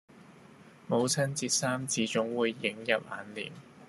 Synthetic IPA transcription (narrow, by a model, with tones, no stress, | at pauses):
mo˨˧wt͡sʰɐ˥nt͡siː˧t̚saː˥mt͡siː˨˧t͡sʊ˨˥ŋwuː˨˧jːɪ˨˥ŋjɐ˨p̚ʔa̰ː˨˥nlḭː˨˩n